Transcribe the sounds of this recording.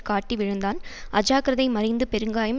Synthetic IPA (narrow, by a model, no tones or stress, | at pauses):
kaːʈːiʋɪɻɯnd̪aːnʔɐd͡ʒaːkɪɾɐðɐɪmɐɾɪnd̪ɯpɛɾɯŋɡaːjɐm